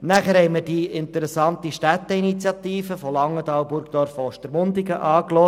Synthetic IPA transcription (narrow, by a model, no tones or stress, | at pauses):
næχəɾɦɛɪməɾd̥iɪnt̪əɾɛsɑnt̪iʃtæt̪əinit͡sjɑt̪iːfəfɔlɑŋːətɑwbʊɾkd̥̪ɔɾfɔʃtəɾmʊnd̪iɡəʔɑːklɔ